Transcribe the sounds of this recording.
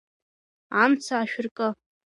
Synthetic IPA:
amt͡sʰaːʃᶣɪrkʼə

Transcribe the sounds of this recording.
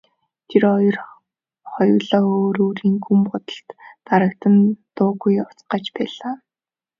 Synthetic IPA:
t̪ʰirɔjɞ̆r | χɔj̆wɮɔoːɾoːɾiːŋkʰumpʊt̪ə̆ɬt̪ːaɾə̆k̚t̪ə̆nt̪ʊːɣujʊt͡sɢaːt͡ɕpæːɮaː

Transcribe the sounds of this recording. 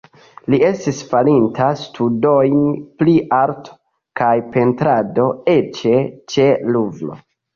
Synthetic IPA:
lie̞stisfalintʰastʰudojnpliʔaɾtʰo̥ | kajpe̞ntɾado̞e̞t͡ʃe̞t͡ʃe̞luvlo̞̰

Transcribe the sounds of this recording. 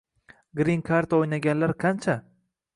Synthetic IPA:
ɡɾiŋkʰaɾt̪ʰaojnaɡʲanlaɾqʰant͡ʃʰa

